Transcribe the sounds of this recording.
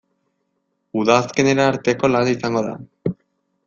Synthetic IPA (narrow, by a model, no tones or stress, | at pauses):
uðaːske̞ne̞ɾaːɾt̪e̞ko̞lanisaŋɡo̞ða̰